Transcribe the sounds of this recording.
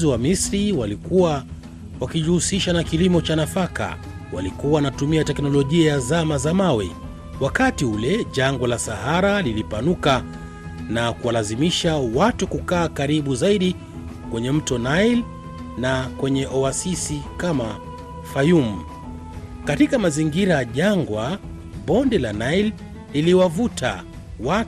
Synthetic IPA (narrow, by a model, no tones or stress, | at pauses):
ziwamisɾiwalikuwa | wakiʄuhusiʃanakilimɔt͡ʃanafaka̰ | walikuawanatumiatɛknɔlɔʄiajazamazamawɛ | wakatiulɛʄaŋɡɔlasahaɾalilipanuka | nakuwalazimiʃawatukukaːkaɾiɓuzaiɗi | kwɛɲɛm̩tɔnail | nakwɛɲɛʔɔasisikama | fajum̩ | katikamaziŋɡiɾaʄaŋɡwa | ɓɔndɛlanail | liliwavuta̰ | wa